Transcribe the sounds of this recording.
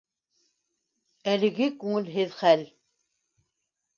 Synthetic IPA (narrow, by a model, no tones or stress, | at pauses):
ælɘ̆ɡɘkʉŋɘ̆lɦɘðχæl